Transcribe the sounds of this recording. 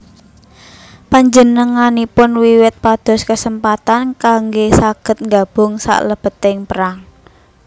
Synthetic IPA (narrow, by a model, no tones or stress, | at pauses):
paɲd͡ʒənəŋanipʊnwiwɪt̪̚pad̪̥ɔ̤skəsəmpat̪ankaŋɡesaɡ̥ə̤t̪̚ŋɡab̥ʊ̤ŋsa̰ʔləb̥ə̤t̪ɪŋpəɾaŋ